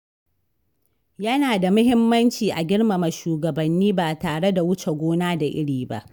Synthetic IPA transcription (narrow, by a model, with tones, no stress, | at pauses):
jɐ˦naː˨da˨mʊ˦hɪ˦mːɐ˦nt͡ʃiː˨ʔa˨ɡʲɪ˦ɽma˨mɐ˨ʃuː˨ɡɐ˨bɐ˨nːiː˦baː˨taː˨ɽe˦da˨wʊ˦t͡ʃe˨ɡʷoː˦naː˦da˨ʔɪ˦ɽiː˨ba̰˦ʔ